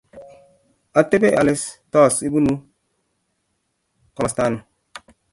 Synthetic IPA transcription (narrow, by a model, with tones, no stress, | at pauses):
a˨te˦be˦ʔa̰˨lɪ˦stɔ˦˨si˦bu˦nu˦ | kɔ˨sta˦nu˨